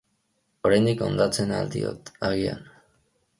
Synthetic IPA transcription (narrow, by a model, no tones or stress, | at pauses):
oɾajnd̪iko̞nd̪at͡se̞nald̪ḭo̞̰t̪aɣia̰n